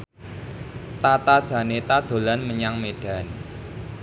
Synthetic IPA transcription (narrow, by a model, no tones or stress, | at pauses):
t̪at̪ad̥ʒ̥a̤net̪ad̪̥o̤lanməɲaŋmeɖ̥a̤n